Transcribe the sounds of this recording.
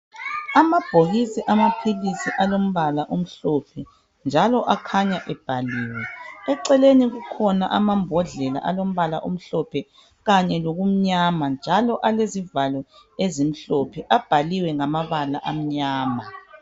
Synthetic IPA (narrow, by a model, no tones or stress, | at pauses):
amab̥ʱoɣisiʔamapʰilisiʔalom̩βalaʔom̩ɬɔpʰɛ | nd͡ʒʱalɔʔakʰaɲaʔɛb̥ʱaliːwɛɛǀɛleniɣukʰɔna̰ʔamambʱɔɮɛla̰ʔalom̩βalaʔom̩ɬɔpʰɛ | ɣaɲɛloɣum̩ɲamand͡ʒʱalɔʔalezivalɔezim̩ɬɔpʰɛʔab̥ʱaliwɛŋamaβalaʔam̩ɲaːma